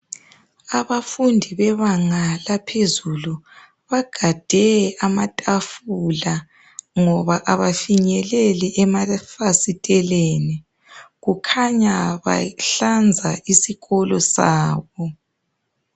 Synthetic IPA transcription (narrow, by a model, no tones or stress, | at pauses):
aβafundʱiβɛβaŋalapʰezulu | βaɡ̥ʱad̥ʱɛamatʼafula | ŋɔβaʔaβafiɲɛlɛlɛʔɛmafasitʼɛleni | ɣukʰaɲaβa̰ɬand͡zʱaisiɣɔlɔsaːβɔ